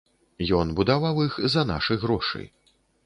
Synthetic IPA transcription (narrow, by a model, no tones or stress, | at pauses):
jɔnbud̪awawixzɐna̰ʂɨjɣɾɔʂɨ̰j